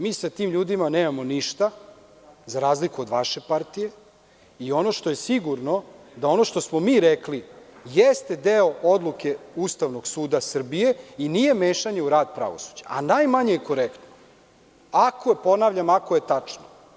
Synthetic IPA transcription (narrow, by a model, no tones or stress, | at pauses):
miːsat̪iːmʎuːd̪imaneːmamo̞niʃt̪a | zaɾaːzlikuo̞d̪ʋaʃe̞paɾt̪ije̞ | io̞no̞ʃt̪o̞je̞siɡuɾno̞ | d̪ao̞no̞ʃt̪osmo̞miːɾeklijest̪e̞d̪eood̪luke̞ust̪aʋno̞ɡsuːd̪asr̩bije̞inije̞meːʃaɲe̞uɾaːd̪̚pɾa̰ʋo̰su̥d͡ʑaʔa̰najmaɲejeko̞ɾekt̪no | akʰoepo̞naːʋʎamakoje̞t̪at͡ʂno